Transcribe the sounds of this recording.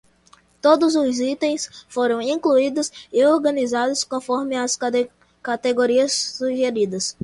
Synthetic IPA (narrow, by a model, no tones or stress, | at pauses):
t̪od̪ʊzʊzit̪ẽj̃sfoɾɐ̃w̃ĩkluid̪ʊsioɾɡɐ̃nizad̪ʊskõfɔɾmɪɐs | kat̪eɡoɾiɐsːuʒeɾid̪ɐs